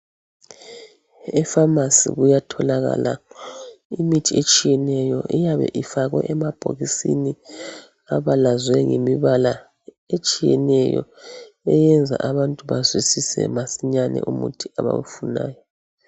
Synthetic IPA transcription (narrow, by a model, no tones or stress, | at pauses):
ɛfamasḭɣujatʰɔlaɣa̰la | imitʰiet͡ʃʼijɛnɛjɔʔijaβɛ̰ʔifaɣwɛ̰ʔɛmab̥ʱoɣisini | aβalazwɛŋemiβala | et͡ʃʼijɛnɛjɔ̰ | ɛjɛnd͡zʱa̰ʔaβantʼuβazwisisɛ̰masiɲanɛ̰ʔumutʰiaβa̰wufunaːjɔ